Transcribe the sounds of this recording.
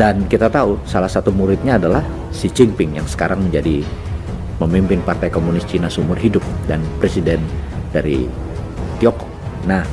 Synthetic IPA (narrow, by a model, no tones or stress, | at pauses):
dankit̪at̪ausalahsat̪umuɾɪt̪̚ɲaːdalah | sit͡ʃɪŋpɪŋjaŋsə̥kaɾaŋməɲd͡ʒadi | məmimpɪnpart̪ajkomunɪst͡ʃinasumʊrɦidʊp̚danpɾesidɛndaɾḭ | t̪iɔkɔ̥ | nah